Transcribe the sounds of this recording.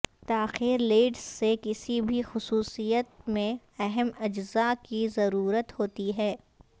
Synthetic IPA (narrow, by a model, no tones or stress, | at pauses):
t̪aːxiːɾleːɖssekɪsibʱixʊsuːsijət̪mẽ | ɛɦɛmɐd͡ʒzakizɐɾuːɾət̪hoːt̪iɦɛː